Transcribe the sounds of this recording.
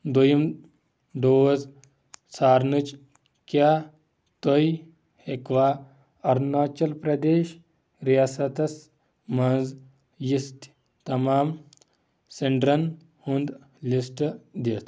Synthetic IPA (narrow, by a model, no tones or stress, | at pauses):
d̪ojim | d̪oːwɐz | saːɾnɨt͡ʃ | kʲjaː | t̪oj | hekʋaː | ɐɾnaːt͡ʃɐlpɾɐd̪eːʃ | ɾijaːsɐt̪ɐs | mɐnz | jist̪ | t̪ɐmaːm | seɳɖɾɐn | hund̪ | lisʈd̪et̪